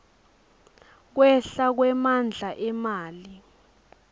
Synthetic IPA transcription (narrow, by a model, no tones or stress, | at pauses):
k̬wɛɬak̬wɛmand͡ɮʱaʔɛmaːli